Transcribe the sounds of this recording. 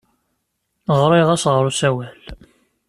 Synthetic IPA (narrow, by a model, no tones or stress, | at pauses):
ʁɾˤɪʁæsʁɾˤusæwæl